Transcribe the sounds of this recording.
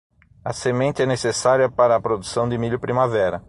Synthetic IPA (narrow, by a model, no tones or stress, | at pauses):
ɐsemẽnt̪ɪɛnesesaɾiɐpaɾɐːpɾod̪usɐ̃w̃d̪ɪmiʎʊpɾimavɛɾɐ